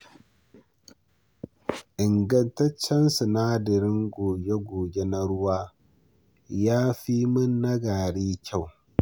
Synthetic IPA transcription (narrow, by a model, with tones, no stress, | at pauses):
ʔɪ˨ŋɡɐ˦ntɐ˦t͡ʃːɛ˦nsʊ˨na˦dɪ˨ɾɪ˦ŋɡoː˨ɡe˦ɡoː˨ɡʲe˦na˦ɽʊ˦waː˦ | jaː˦ɸi˦mɐ˦nːɐ˦ɡaː˨ɽiː˦kʲʰa˦˨w